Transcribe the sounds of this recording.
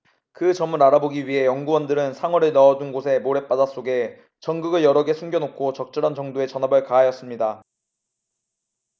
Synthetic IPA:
kɯt͡ɕʌmɯɾaɾaboɡiɥiɦe̞jʌŋɡuwʌndɯɾɯnsʰaŋwʌɾɯɭnʌʌdunɡosʰe̞moɾe̞p͈adas͈oɡe̞ | t͡ɕʌŋɡɯɡɯɭjʌɾʌɡe̞sʰuŋɡjʌnokʰot͡ɕʌk̚t͡ɕ͈ɯɾand͡ʑʌŋdoe̞t͡ɕʌnɦabɯɭkaɦajʌs͈ɯmɲida

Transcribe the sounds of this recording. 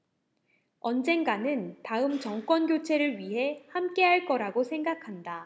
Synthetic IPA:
ʌnd͡ʑe̞nɡanɯntaɯmt͡ɕʌŋkwʌnɡjot͡ɕʰe̞ɾɯɭɥiɦe̞hamk͈e̞ɦaɭk͈ʌɾaɡosʰe̞ŋɡakʰanda

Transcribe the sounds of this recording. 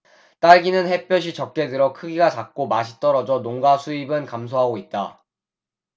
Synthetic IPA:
t͈aɭɡinɯnhe̞p͈jʌɕ̬ʰit͡ɕʌk̚k͈e̞dɯɾʌkʰɯɡiɡat͡ɕak̚k͈omaɕʰi̥t͈ʌɾʌd͡ʑʌnoŋɡasʰuibɯnkamsʰoɦaɡoit̚t͈a

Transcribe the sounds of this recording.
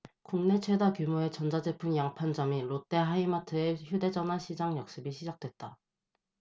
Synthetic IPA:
kuŋne̞t͡ɕʰwe̞dakjumoe̞t͡ɕʌnd͡ʑad͡ʑe̞pʰɯŋjaŋpʰand͡ʑʌmiɾot͈e̞ɦaimatʰɯeçjude̞d͡ʑʌnwaɕʰid͡ʑaŋjʌk̚s͈ɯbiɕʰid͡ʑak̚t͈we̞t̚t͈a

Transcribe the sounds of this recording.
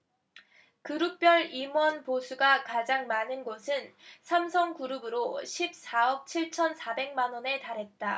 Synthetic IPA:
kɯɾuk̚p͈jʌɭimwʌnposʰuɡakad͡ʑaŋmanɯnɡosʰɯnsʰamsʰʌŋkuɾɯbɯɾoɕʰip̚s͈aʌp̚t͡ɕʰiɭt͡ɕʰʌnsʰabe̞ŋmanwʌne̞taɾɦe̞t̚t͈a

